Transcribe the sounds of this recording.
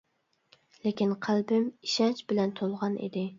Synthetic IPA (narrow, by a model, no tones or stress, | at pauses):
lekʲinqʰælbɪmiʃɑnt͡ʃbɪlɛnt̪ʰolˠʁɑnḭd̪ɪ